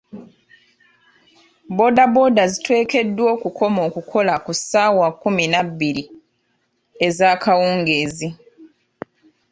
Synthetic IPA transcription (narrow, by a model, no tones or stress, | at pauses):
bo̞dabo̞ːdazitwe̞ːke̞dːwo̞ːkuko̞mo̞ːkukʰo̞lakusaːwakːuminabːiɾi | ezaːkawuːŋɡeːzi